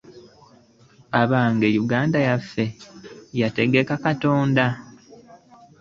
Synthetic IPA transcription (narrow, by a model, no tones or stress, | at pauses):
aβaːŋɡejuɡaːndajafːe̞jate̞ɡe̞kakato̞ːnda